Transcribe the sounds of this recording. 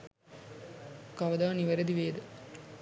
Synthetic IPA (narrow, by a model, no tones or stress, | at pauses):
kɐʋɐd̪aːniʋɐɾɐd̪iʋeːd̪ɨ